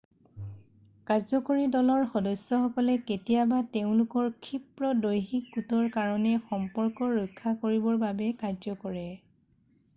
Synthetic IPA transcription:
kazɔkoɹidɔlɔɹxɔdɔsːɔxɔkɔlɛketijabateʊ̃lʊkɔɹkʰipɹɔdojxik̚ɡutɔɹkaɹɔnɛxɔmpɔɹkɔɹɔjkʰːakoɹibɔɹbabɛkaɹzɔkɔɹɛ

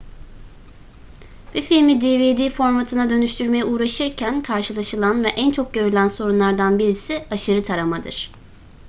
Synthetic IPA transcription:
bifilʲmid̪eːved̪iːfo̞ɾmat̪ʰɯnad̪ø̞nyʃt̪ʰyɾme̞jɛuːɾaʃɯɾcʰænkʰaɾʃɯlˠaʃɯlˠanvɛʔænt͡ʃʰo̞k̚ɟø̞ɾylʲænso̞ɾunlˠaɾd̪anbiɾisiaʃɯɾɯt̪ʰaɾamad̪ɯ̰ɾ̥

